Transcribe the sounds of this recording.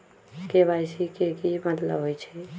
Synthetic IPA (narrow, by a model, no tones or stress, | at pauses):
kebajsikekimət̪lə̰ɦojt͡ʃʰɛ